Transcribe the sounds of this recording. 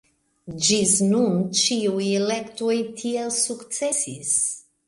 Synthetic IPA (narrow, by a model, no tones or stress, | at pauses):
d͡ʒiznũnt͡ʃiwilɛkt̪et̪ʰiɛlsuksɛsiz̥